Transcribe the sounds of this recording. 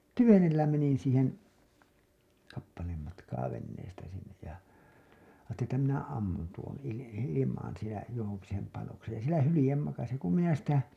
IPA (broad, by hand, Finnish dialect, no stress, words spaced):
tyʋenelːæ menin̞ siːhen kɑpːɑleːm mɑtkɑː ʋenːeːstæ sinːej jɑ ɑːtːelin etːæ minæ ɑmːun tuon ili ilimɑːn̞ sielæ johoŋki sem pɑnoksej jɑ sielæ hylĭjem mɑkɑsi ku minæ sitæ